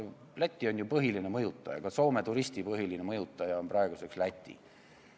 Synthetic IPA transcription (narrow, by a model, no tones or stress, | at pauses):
læt̪ʲːio̞nʲjupɤɦiline̞mɤjut̪ːˑɑ̰jɑ̰kɑso̞ːmet̪uɾist̪ipɤɦilinemɤjut̪ˑːɑjɑonprɑe̞ɡ̥use̞kslæt̪ʲːˑḭ